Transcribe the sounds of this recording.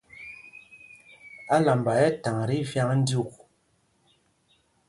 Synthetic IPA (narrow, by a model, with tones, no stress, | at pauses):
a˦la˨mba˨jɛ˦ta˨ŋɾi˦vja˦ŋn̩˦du˦˨k̚